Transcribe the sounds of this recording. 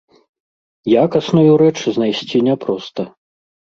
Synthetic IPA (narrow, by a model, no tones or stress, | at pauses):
jakasnujuɾɛt͡ʂznajsʲt͡sʲinʲɛpɾɔst̪ɐ